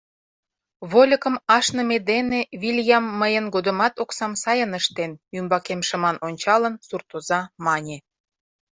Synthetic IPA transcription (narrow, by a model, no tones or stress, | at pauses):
βolʲəkə̆mɑʃnə̆med̪eneβilʲjɑmːəjənɡod̪ə̆mɑt̪oksɑmsɑjənəʃt̪enymbɑkemʃə̆mɑnonʲt͡ɕɑlənsurt̪ozɑmɑnʲe